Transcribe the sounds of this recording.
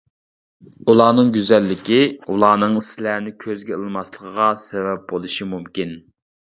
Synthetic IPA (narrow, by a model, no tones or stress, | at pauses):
ulˠɑːnɨŋɡʲyzɛlːɪkʲiulˠɑːnɨŋislænɪkʲʰøzɡʲɛəlˠɨmɑslˠəqʰəʁɑsevɛp̚bolˠuʃimumkʲin